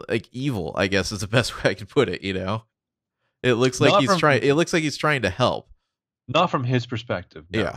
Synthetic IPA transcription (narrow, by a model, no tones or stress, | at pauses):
la̰ɪkivl̩ˠa̰ɪɡɛsɨzðəbɛst̚weɪaɪkʰn̩pʰʊɾɪ̰ʔjɨnoʊ | ʔɪtˡlʊkslaɪkizʰɹ̥aɪɪ̃ŋɪtˡlʊkslaɪkhiz̥tʰɹ̥aɪɪ̃ŋtɨhɛ̰lˠp̚ | nətfɹʌ̃mɪz̥pʰə˞spɛk̚tɨvnjæ̰